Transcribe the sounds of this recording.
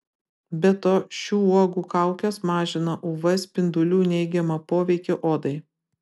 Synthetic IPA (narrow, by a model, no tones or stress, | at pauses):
bʲɛt̪oːʃʲuːuɔɡuːkɑˑʊkʲɛsmɑːʒʲɪnɐʔuːʋɐsʲpʲɪnd̪ʊlʲuːnʲɛɪɡʲɛmɐpoːʋʲɛɪkʲoʔoːd̪ɐɪ